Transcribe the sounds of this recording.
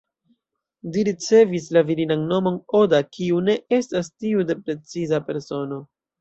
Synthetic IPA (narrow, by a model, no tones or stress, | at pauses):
diɾit͡se̞vis̬laviɾinanno̞mo̞no̞dakʰiune̞ʔe̞stastiude̞pɾe̞t͡sizape̞ɾso̞no̞